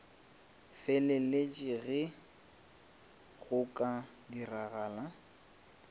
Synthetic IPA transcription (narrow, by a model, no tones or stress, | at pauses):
fɛlɪlet͡ʃʼiɣɪ | ɣʊkʼa | diraɣaːla